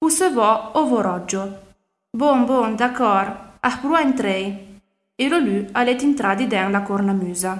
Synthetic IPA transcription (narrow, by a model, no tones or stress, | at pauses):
pusəvɔovoɾɔd͡ʒo | boŋboŋd̪akɔɾahpɾuaent̪ɾej | elolyalet̪int̪ɾad̪id̪ɛŋlakoɾnamyːza